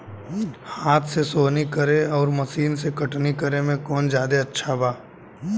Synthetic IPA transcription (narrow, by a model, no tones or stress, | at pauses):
haːt̪ʰsesoːnikəɾeɔːɾmɐsiːnsekɐʈnikəɾemẽkɔːnd͡ʒjaːd̪eɐtːʃʰabaː